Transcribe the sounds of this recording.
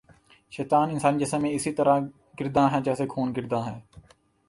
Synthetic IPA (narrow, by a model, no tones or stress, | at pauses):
ʃɛːt̪aːnɪnsaːnid͡ʒəsəmẽːɪsiːt̪əɾãː | ɡɪɾd̪ãːɦɛ̃ːd͡ʒɛːseːkʰoːnɡɪɾd̪ãːɦɛː